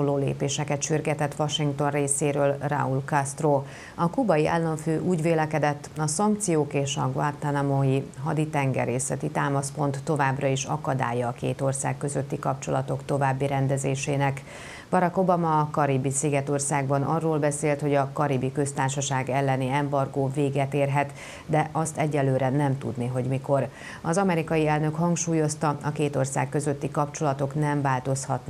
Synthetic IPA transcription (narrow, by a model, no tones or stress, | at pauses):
oloːlḛːpeːʃɛkɛt̪ʃyrɡɛt̪ɛt̪ːʋɒʃiŋkt̪o̞nreːseːɾøːlra̰ulkɒst̪roː | ɒkubɒjiʔa̰ːlːoɱføːʔuːɟʋeːlɛkɛd̪ɛt̪ːɒsɒŋkt̪sijoːkeːʃɒ̰ɡvart̪anamoiɦɒd̪it̪ɛŋɡɛ̰ɾeːsɛt̪it̪aːmɒspo̞nt̪ːo̞vaːbrɒiʃɒ̰kɒd̪a̰ːjːɒːkḛːt̪o̞rsa̰ːkːø̞zø̞t̪ːikɒpt͡ʃo̞̰lɒt̪o̞kt̪o̞vaːbːiɾɛnd̪ɛzeːʃeːnɛk | bɒɾɒko̞bɒmɒːkɒɾibisiɡɛt̪o̞rsaːɡ̚bɒnɒrːoːlbɛseːlt̪ho̞ɟɒkɒɾibikø̞st̪aːrʃɒʃaːɡɛlːɛniɛmbɒrɡoːveːɡɛt̪eːrɦɛt̪ | d̪ɛʔɒst̪ɛɟːɛlːøːɾɛnɛmt̪ṵd̪niɦo̞ɟmiko̞r | ɒzɒmɛɾikɒjiɛlnø̞khɒŋkʃuːjo̞st̪ɒɒkeːt̪o̞rsa̰ːkːø̞zø̞t̪ːikɒpt͡ʃo̞lɒt̪o̞knɛɱvaːlt̪o̞shɒt̪n